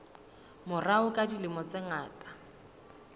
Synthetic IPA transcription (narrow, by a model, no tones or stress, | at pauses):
mʊraʊkʼadilɪmʊt͡sɛŋaːtʼḁ